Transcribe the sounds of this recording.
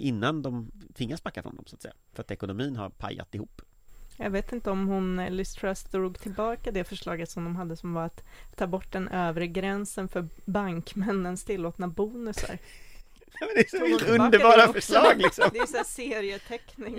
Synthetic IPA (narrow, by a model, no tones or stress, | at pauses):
ʔɪnːand̪ɔmt̪ʰɪŋːasbakːafɾɔ̰nd̪ɔ̰msat̪sɛjːafœɾat̪ɛkʊnʊmiːnha̰ɾpʰa̰jːa̰t̪ɪhuːpː | jɑ̰ɡveːt̪ɪnt̪əɔmhʊnlɪst̪ʰɾɛst̪d̪ɾuːɡt̪ʰɪlbɑːkad̪ɛfœʂɭɑːɡət̪sɔmd̪ɔmɦad̪ːəsɔmvaɾat̪ʰːɑːbɔʈːd̪ɛnʔøːvɾəɡɾɛnsənfœɾbaŋkmɛnːənst̪ʰɪlːoːt̪nabuːnɵsa̰ɾ | ɛmɛnd̪ɛsɔvɛɵnd̪əɾbɑːɾafœʂɭɑːɡlɪksɔmd̪ɛjsæseːɾɪət̪ʰɛknɪŋ